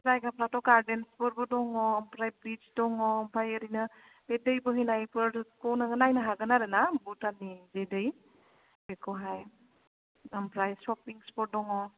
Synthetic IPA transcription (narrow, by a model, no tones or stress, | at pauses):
zajkapɾatɔɡaɾdenspɔɾbɔdɔŋɔːmpɾajbɾit͡ʃdɔŋɔːmpʰajɐɾinɐ | bedəjbɯɦinajpɯpownaɡɐnajnɐɦaɡɐnaɾenabutanizedɯj | bekʰɔɦaj | ɐmpɾajsɔpiŋspɔɾ̚dɔŋɔ